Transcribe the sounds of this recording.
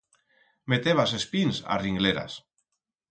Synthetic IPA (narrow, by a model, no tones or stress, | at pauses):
met̪eβasespinsa̰riŋɡleɾa̰s